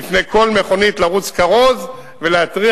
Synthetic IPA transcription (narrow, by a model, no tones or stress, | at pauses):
ifnejkʰo̞lme̞χo̞nitlaʁut͡skaʁo̞z | veleat̪ʁi